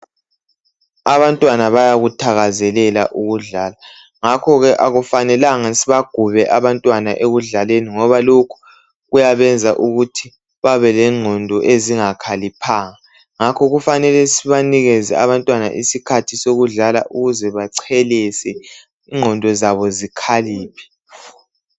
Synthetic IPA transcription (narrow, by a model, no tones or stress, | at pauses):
aβantʼwanaβajaɣutʰaɣazɛlɛla̰ʔuɣuɮaːla | ŋakʰɔɣɛʔaɣufanɛlaŋasiβaɡ̥ʱuβɛʔaβantʼwana̰ʔeɣuɮaleniŋɔβalokʰu̥ | ɣujaβɛnd͡zʱaʔuɣutʰi | βaβɛlɛŋ͡ǀʱɔndʱɔʔeziŋakʰalipʰaːŋa | ŋakʰɔɣufanɛlɛsiβaniɣɛzɛ̰aβantʼwana̰ʔisikʰatʰisoɣuɮala̰ʔuɣuzɛβaǀʰɛlɛsɛ | iŋ͡ǀʱɔndʱɔzaβɔzikʰaliːpʰi̥